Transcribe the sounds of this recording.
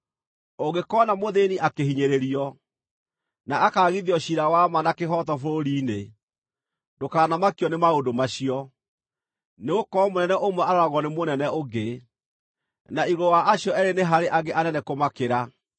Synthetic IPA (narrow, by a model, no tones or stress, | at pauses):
oɡekɔːnamoðeniʔakehiɲeɾeɾiɔ | naakaːɣiðjɔɕiɾawamanakeɦɔtɔfoɾoɾiːne | dokaːnamakjɔnemaodomaɕiɔ | neokɔmonɛnɛʔomwɛaɾaɾaɣɔnemonɛnɛoɡe | naiɣowaʔːɕjɔɛɾeneɦaɾeʔaɡeʔanɛnɛkomakeɾa